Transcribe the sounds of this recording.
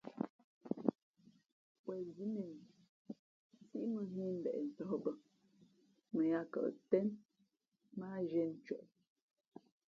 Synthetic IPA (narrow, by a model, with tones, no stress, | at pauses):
pwɛ˨zi˦nɛ˨n˨˦ | si˦ʔmə˦ɦi˦m̩˨bɛ̰˨ʔn̩˨tɔ˨˦bə˦ | mə˨ja˦kə̰˨ʔtɛ˦n | ma˦ʒɛ˦n̩˨t͡ʃɔ˨ʔ